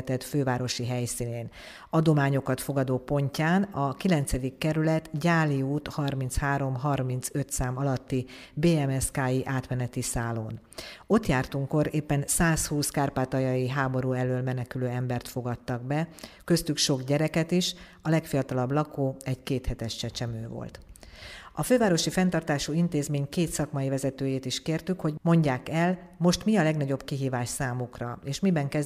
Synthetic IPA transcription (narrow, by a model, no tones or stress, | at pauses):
t̪ɛt̪føːvaːɾo̞ʃiɦɛjsiːneːn | ɒd̪o̞maːɲo̞kɒt̪fo̞ɡɒd̪oːpo̞ɲcaːnɒkilɛnt̪sɛd̪ikːɛɾylɛt̪ɟaːliuːt̪hɒrmint̪shaːɾo̞mɦɒrmint̪sø̞t̪saːmɒlɒt̪ːibeːɛmɛskaːjiʔaːt̪mɛnɛt̪isaːlo̰ːn | o̞t̪jaːrt̪uŋko̞ɾeːpːɛnsaːshuːskaːrpaːt̪ɒjɒjiɦaːbo̞ɾuːɛløːlmɛnɛkyløːɛmbɛrt̪fo̞ɡɒt̪ːɒɡbɛkø̞st̪ykʃo̞ɡɟɛɾɛkɛt̪iʃ | ɒlɛkfijɒt̪ɒlɒblɒkoːɛɟkeːt̪hɛt̪ɛʃt͡ʃɛt͡ʃɛmøːvo̰lt̪ | ɒføːvaːɾo̞ʃifɛnt̪ɒrt̪aːʃuint̪eːzmeːɲkeːt̪sɒkmɒjivɛzɛt̪øːjeːt̪iʃkeːrt̪ykho̞ɟmo̞ɲɟaːkɛlmo̞ʃt̪miɒlɛɡnɒɟo̞bkiɦiːvaːʃsaːmukrɒeːʃmibɛŋkɛ